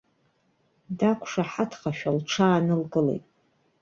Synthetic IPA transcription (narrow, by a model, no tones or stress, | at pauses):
dakʷʰʂaħatʰχaʃᶣalʈ͡ʂʰaːnɨlɡɨlḛjtʼ